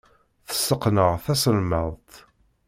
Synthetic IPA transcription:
θə̥sːəqnəʁθæsəlməðˤt̪

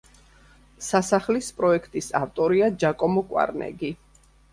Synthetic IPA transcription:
sasaχlispʼɾɔɛkʰt̪ʼisaft̪ʼɔɾiad͡ʒakʼɔmɔkʼwa̰ɾnɛ̰ɡi

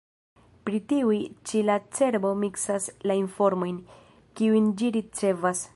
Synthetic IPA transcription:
pɾitiujt͡ʃilat͡se̞ɾbo̞miksaslainfo̞ɾmo̞jn | kiujnd͡ʒiɾit͡se̞vas

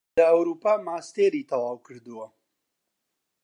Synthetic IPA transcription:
lɐɐwɾuːpaːmaːst̪eːɾit̪ʰɐwaːwkʰɨɾd̪ɨwɐ

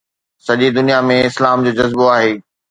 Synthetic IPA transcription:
sɐʄid̪ʊnijamẽɪslaːmd͡ʑoːd͡ʑɐzboaːɦeː

